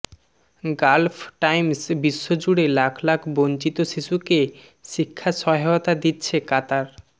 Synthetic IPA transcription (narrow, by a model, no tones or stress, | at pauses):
ɡalfʈajmsbiʃːod͡ʑuɽelakʰlakʰbont͡ɕit̪oʃiʃuke | ʃikʰːaʃɔɦeot̪ad̪itːɕʰekat̪aɾ